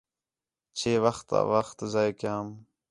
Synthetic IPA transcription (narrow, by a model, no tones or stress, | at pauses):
t͡ʃʰeːʋəxt̪a̰ʋəxt̪zaːjkjaːm